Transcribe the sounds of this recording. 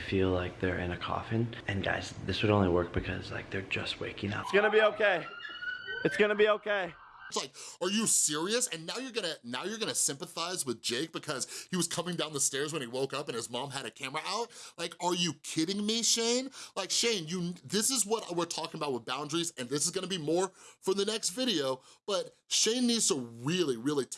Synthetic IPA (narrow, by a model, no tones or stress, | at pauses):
filaɪk̚ðə˞ɪ̰̃nɨkʰɔ̰fɨ̃nʔɨ̃nɡa̰ɪzðɪswɨɾõʊ̃nliwɜ˞k̚b̥ɨkʰʌ̰zlaɪk̚ðə˞d͡ʒʌ̰st̚wḛɪkɪ̃ŋa̰ʊsɡ̥ʌnɨbioʊkʰeɪ | ɨtsɡ̥ʌnɨbioʊkʰeɪ | tslaɪk̚ə˞jɨsɪɹiɨsɨ̃nːaʊjə˞ɡʌnɨnaʊjə˞ɡʌnɨsɪ̃mpəθaɪzwɨðd͡ʒeɪk̚b̥ɨkʰʌz̥hiwʌz̥kʰʌmɪ̃ŋdãʊ̃nðəstɛɹzwə̃niwoʊkʌpɨ̃nɨzmɑ̃mɨɾɨkʰæmə˞əʔaʊt̚laɪkə˞jɨkʰɪɾɪ̃ŋmiʃẽɪ̃nlaɪkʃẽɪ̃njɨðɪsɨzwʌɾwɪɹtʰɔkɪ̃ŋəbaʊt̚wəðbãʊ̃ndɹizɨ̃nðɪsɨzɡʌnəbimɔɹfʌ̃˞ðɨnɛkstvɪɾioʊb̥ʌt̚ | ʃẽɪ̃nːidz̥soʊɹɪlˠiɹɪlˠi